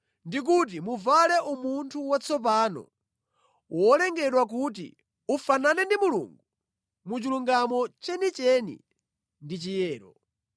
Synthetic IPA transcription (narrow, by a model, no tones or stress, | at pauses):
ndik̬ut̬imuvalɛʔumuntʰuwat͡sʰɔp̬aːnɔ̰ | wɔlɛŋɡɛɗwak̬ut̬ḭ | ufananɛndimulṵŋɡu | mut͡ʃiluŋɡamɔt͡ʃɛnit͡ʃɛnḭ | ndit͡ʃijɛːɾɔ